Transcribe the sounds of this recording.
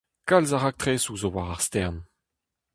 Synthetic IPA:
kalzaʁak̚t̪χeːsuzowaʁaʁst̪ɛʁn

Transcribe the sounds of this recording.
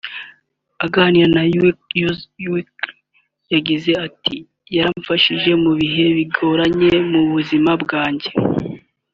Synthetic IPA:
aɡaniɾanajkjuzwik | jaɟize̞ati | jaɾaɱfaʃiʒe̞muβiɦe̞βiɡo̞ɾaɲe̞muβuzimabɡaːɲɟe̞

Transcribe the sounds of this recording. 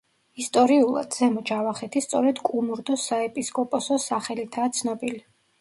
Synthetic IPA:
ist̪ʼɔɾiulˠa̰d̪z̥ɛmɔd͡ʒavaχɛt̪ʰist̪sʼɔ̰ɾɛd̪kʼumuɾd̪ɔsaɛpʼiskʼɔpʼɔsɔsaχɛlit̪ʰaːt̪sʰnɔbili

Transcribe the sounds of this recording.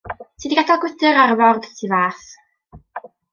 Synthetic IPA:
tʰiːdiɡadalˠɡwɪdəɾarvɔrd̥tʰivaːθ

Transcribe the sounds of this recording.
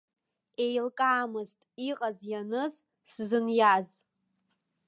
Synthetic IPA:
ejlkʼaːmɨztʼiqʼazjanɨz | szɨnjaz

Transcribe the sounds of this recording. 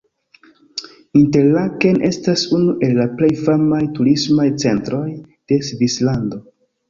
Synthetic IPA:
inte̞ɾlake̞nʔe̞stasunuʔe̞lːaple̞jfamajtuɾismajt͡se̞ntɾo̞j | d̥e̞svislando̞

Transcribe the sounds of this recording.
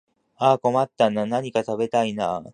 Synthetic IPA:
aːko̞mat̪ːananaɲ̟ikat̪abe̞t̪ainaː

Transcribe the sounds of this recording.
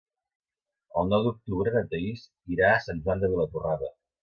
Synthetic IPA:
əlˠnɔwd̪uk̚t̪uβɾəðət̪əis | iɾaəsanʲʒuwand̪əβilət̪uraðə

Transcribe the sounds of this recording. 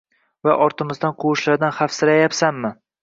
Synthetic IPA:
vaʔɒɾt̪ʰɪmɪzd̪anqʰʊwʊʃlaɾd̪anχafsɪɾajapsanmɪ

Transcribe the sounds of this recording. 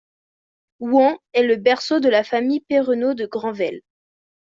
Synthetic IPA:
wɑ̃ɛləbɛʁsod̪əlafamijpeʁənod̪əɡʁɑ̃vɛl

